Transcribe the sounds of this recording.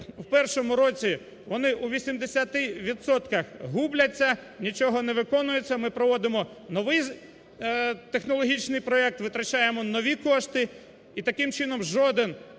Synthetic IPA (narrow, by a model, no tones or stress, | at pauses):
wpɛrʃɔmʊɾɔt͡sʲi | ʋɔnɪʔuʋʲisʲimd̪esʲat̪ɪʋʲid̪sɔt̪kɐxɦublʲɐt͡sʲːɐ | nʲit͡ʃɔɦɔneʋɪkɔnʊjet͡sʲːɐmɪpɾɔʋɔd̪ɪmɔ | nɔʋɪj | t̪exnɔlˠɔɦʲit͡ʃnɪjpɾɔɛk̚t̪ʋɪt̪ɾɐt͡ʃajemɔnɔʋʲikɔʃt̪ɪ | it̪ɐkɪmt͡ʃɪnɔmʒɔd̪ɪn